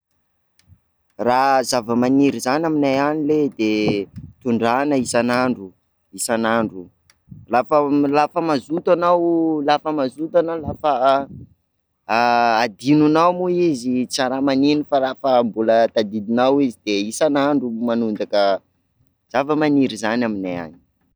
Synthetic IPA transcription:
razavəmaniɾizanaminajaniled̪et̪uɳɖ͡ʐanəisanaɳɖ͡ʐu | isanaɳɖ͡ʐu | lafəlafəmazut̪anawlafəmazut̪analafə | ad̪inunawmuizit͡saɾamaninifalafəmbulət̪ad̪id̪inawizid̪̥eisanaɳɖ͡ʐumanund̪akə | z̥avəmaniɾizanaminaja̰ni̥

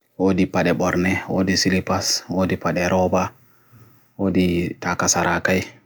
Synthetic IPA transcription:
wodipaɗɛɓɔɾnɛwodisilipaswoːdipaɗɛɾɔba | woditakasaɾʔakaj

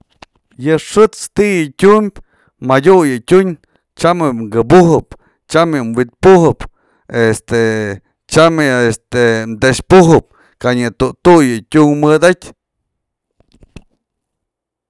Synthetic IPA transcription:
jɨʂɨt͡st̪ijɨtʲumbʲ | madʲujɨtʲuɲ | t͡ʃamɨŋɡɨbuɦɨp | t͡ʃamjɨmwit̪̚puhɨp | est̪e | t͡ʃamɨest̪emd̪eʂpuɦɨp̚ | kaʔɲɨt̪ut̪ujɨtʲuŋmɨd̪atʲ

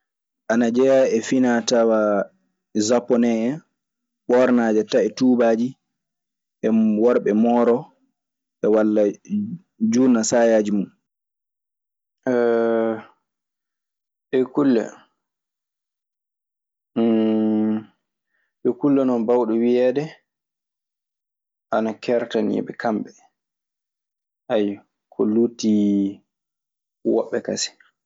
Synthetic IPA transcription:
ʔanad͡ʒɛjaɛfinatawa | zapːɔnɛɛ | ɓɔɾnaːd͡ʒɛtaɛtuːbaːd͡ʒi | ʔɛwɔɾɓɛmɔːɾɔ | ʔɛwalːa | d͡ʒunasajaːd͡ʒimun | ɛ | ʔɛkulːɛ̰ | ʔɛkulːɛnɔnbawɗuwiɛːdɛ | ʔanakʰɛɾtanḭɓɛkʰamɓɛ | ʔaj | kʰɔluːti | wɔ̰ɓːɛkasi̥

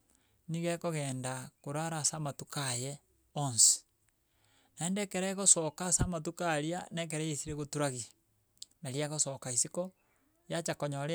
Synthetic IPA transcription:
niɣɛkoɣɛːndakoɾaɾasamatukajɛ | onsi̥ | naendɛkeɾɛɣosɔkasamat̬ukaɾianɛk̬eɾɛesiɾeɣotuɾaɣi | naɾiaɣosɔkaisikɔ | jat͡ʃakoɲɔɾe

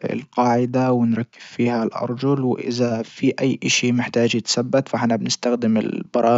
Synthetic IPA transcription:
ɪ̰lqɑːʕɪd̪awɪnɾˤɑkːɪz̥fiːhalʔɑ̰ɾˤd͡ʒʊlwʔɪ̰ðafiʔajːʔaʃimɪħt̪aːd͡ʒjɪt̪sabːat̪faħɪnːabɪnɪst̪axd̪ɪmɪ̰lb̥ɑɾˤɑː

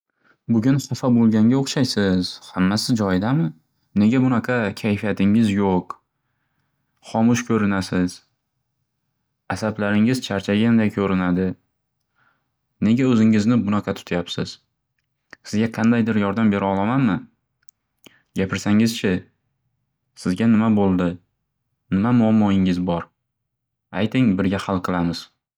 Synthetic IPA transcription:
bʊɡʲʊnχɑfabolˠɡʲaŋʲaoχʃajsɪz̥hamːasɪzd͡ʒɒjd̪amɪ | ne̞ɡʲabʊnaqʰɑkʲʰajfijat̪ʰɪŋɪzjoq | χɒmʊʃkʲʰɵɾɪnasɪz̥ | asablaɾɪŋɪzt͡ʃʰaɾt͡ʃʰaɡʲaand̪ajkʰɵɾɪnad̪ɪ | ne̞ɡʲaɵzɪŋɪznɪbʊnɑqʰɑt̪ʰʊ̥t̪ʰajapsɪz̥ | sɪzɡʲaqʰɑnd̪ajd̪ɪɾjɒɾd̪ambe̞ɾɒlˠamanmɪ | ɡʲapʰɪɾsaŋɪzt͡ʃʰɪ | sɪzɡʲanɪmabolˠd̪ɪ | nɪmamʊamːɒɪŋɪzbɒɾ | ajt̪ʰɪŋbɪɾɡʲahalˠqʰɨlˠamɪz̥

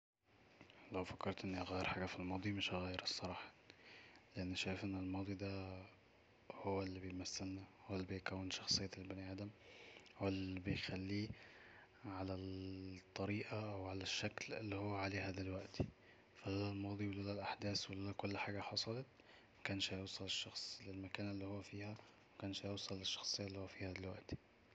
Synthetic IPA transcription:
læwfɑkːɑɾˤt̪ʔenːɣæːjːeɾħaːɡæfilmɑːd̪ˤimeʃɣæjeɾsˤːɑɾˤɑːħɑ̥ | leʔænːʃæːjfʔenːelmɑːd̪ˤid̪æ | howːælːibejmæsːelnæhowælːibejkæwːenʃɑxsˤejːæelbæniʔæːd̪æmwælːibejxælːiː | ʕalæt̪ˤːɑɾiːʔaʔæwʕalæʃːæklḛlːihowːæʕaleːɦæːd̪ælwæʔt̪i̥ | fælælælmɑːd̪ˤiwelolælʔaħd̪æːswelolækolːħaːɡæħɑsˤɑlɑt̪ | mækæːnʃhæjosˤɑleʃːɑxsˤlɪlmækæːnælːiːhowːæfiːhæ | mækæːnʃhæjowsˤɑlːɪʃːɑ̥xsˤejːalːiːhowːæfiːhæd̪ælwaʔt̪i̥

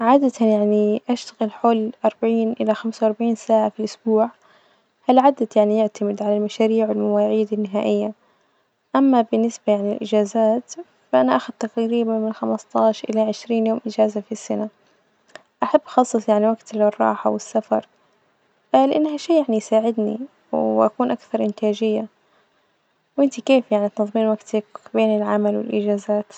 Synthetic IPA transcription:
ʕaːd̪at̪ʰanjaʕniʔaʃt̪aɣɪlħoːlʔɑɾˤbaʕiːnʔɪlaxamsawʔɑɾˤbaʕiːnsaːʕafiʔʊsbuːʕ | halʕaːd̪at̪jaʕnijɪʕt̪ʰamɪd̪ʕalalmaʃaːɾiːʕwɪlmawaːʕiːd̪anːɪɦaːʔɪjːa | ʔamːabɪnːɪsbajaʕniɪlʔɪd͡ʒaːzaːt̪ | faʔanaʔaxʊd̪̚t̪aqɾiːbanmɪnxamast̪ˤɑːʃʔɪlaʕɪʃɾiːnjoːmʔɪd͡ʒaːzafisːana | ʔaħabːʔɑxɑsˤːɨsˤjaʕniwaɡt̪lrˤːɑ̰ːħawɪsːafɑ̰ɾˤ | alɪʔanːɦaʃiːjaʕnijsaːʕɪd̪nḭ | wʔakuːnʔakθɑɾˤʔɪnt̪aːd͡ʒɪjːa | wʔɪnt̪ikeːfjaʕniʔt̪nɑðˤmiːnwaɡt̪akbeːnɪlʕamalwɪ̰lʔɪ̰d͡ʒaːzaːt̪

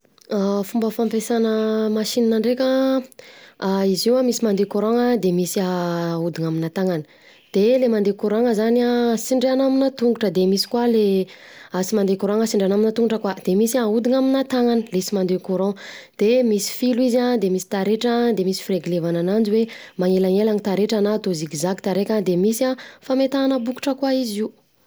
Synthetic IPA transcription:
afumbəfampesanəmaʃininaɳɖ͡ʐekʲa | aiziwamisimand̪ekuɾõŋad̪emisiaud̪iŋaminat̪aŋani̥ | d̪̥elemand̪ekuɾaŋəzaniasiɳɖ͡ʐeanaminat̪uŋɡuʈ͡ʂəd̪emisi̥kwale | asimand̪ekuɾaŋəsiɳɖ͡ʐeanaminat̪uŋɡuʈ͡ʂəkwad̪̥emisaud̪iŋaminat̪aŋanəlesimand̪ekuɾɔ̃d̪̥emisi̥filuizad̪emisi̥t̪aɾeʈ͡ʂad̪emisi̥fireɡilevananand͡ʒiwemaŋelaŋelaŋit̪aɾeʈ͡ʂanat̪uziɡizakt̪aɾekʲad̪emisafamet̪anəbuku̥ʈ͡ʂəkwaiziu

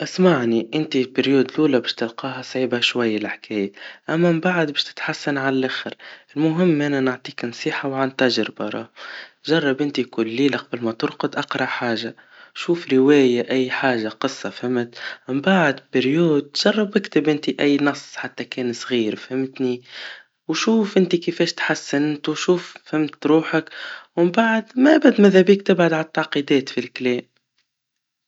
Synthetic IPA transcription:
ʔasmaʕniʔɪnt̪ibɪɾjuːd̪luːlabæːʃt̪ɪlqɑːɦasˤʕiːbaʃwajːalʔaħkɛːjaʔamːabaʕd̪bɛːʃt̪ɪ̥t̪ħasːanʕalalʔaxɪɾɪlmʊɦɪmːʔananʊʕt̪ˤiːknsˤiːħawʕant̪æʒɾbɑɾˤɑːʒɑrˤːɑbʔɪnt̪ikulːiːlaqɑbɪlmat̪ʊɾqʊd̪ʔɑqɾˤɑʔħaːʒa | ʃuːfɾɪwɛːjaʔajːħaːʒaqɨsˤːɑfhɪmːɪt̪mɪmbaʕd̪bɪɾjuːd̪̚t̪ʒ̥ɑrˤːɑbʔɪkt̪ɪbʔɪnt̪iʔæjːnɑsˤːħat̪ːækɛːnsˤɣiːɾfhɪmt̪ni | wʃuːfʔɪnt̪ikəfɛːʃt̪ħasːɪnt̪wʃuːffhɪmt̪ːɾuːħəkwɪmbaʕd̪mæʔbad̪mæðæbiːkt̪ɪbʕʊd̪ʕalt̪ːɑʕqid̪ɛːt̪filklɛːm

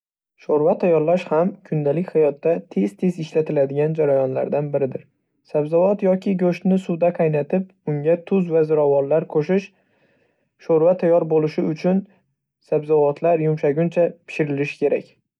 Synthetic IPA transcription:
ʃoɾvat̪ʰajːɒɾlaʃhamkʰʊnd̪alɪkʲhajɒt̪ːat̪ʰe̞zt̪ʰe̞zɪʃlat̪ʰɪlad̪ɪɡʲand͡ʒaɾajɒnla̰ɾd̪anbɪɾɪd̪ɪɾ | sabzavɒt̪jɒkʲɪɡɵʃt̪nɪsʊd̪aqʰɑjnat̪ʰɪp | ʊŋɡʲat̪ʰʊzvazɪɾɒvɒnlaɾqʰoʃɪʃ | ʃoɾvat̪ʰajɒɾbolɪʃɪʊt͡ʃʰʊn | sabzɒvɒt̪ʰlaɾjʊmʃaɡʲʊnt͡ʃʰapʰɪ̥ʃɪɾɪlɪʃkʲʰe̞ɾakʲ

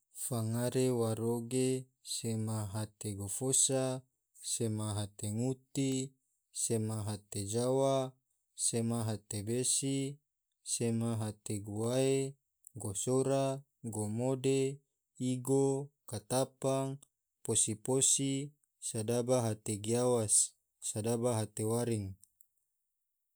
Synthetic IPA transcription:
faŋaɾewaɾoɡe | semaɦat̪eɡofosa | semaɦat̪eŋut̪i | semaɦat̪ed͡ʒawa | semaɦat̪ebesi | semaɦat̪eɡuae | ɡosoɾa | ɡomode | iɡokat̪apaŋ | posiposi | sadabaɦat̪eɡiawasː | adabaɦat̪ewaɾiŋ

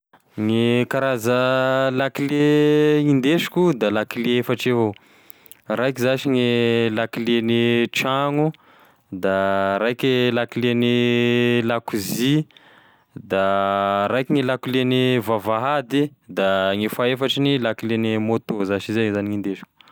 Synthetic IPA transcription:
ŋikaɾazəlakileind̪eʃi̥kʲud̪alakileefaʈ͡ʂeɦo | rajkizaʃiŋelakileniʈ͡ʂaŋu | d̪aɾajkʲelakilenilakuzi | d̪aɾajkʲiŋilakulenivavaɦad̪id̪aŋifaefaʈ͡ʂinilakilenimot̪ozaʃizezaniŋind̪eʃi̥kʲu̥

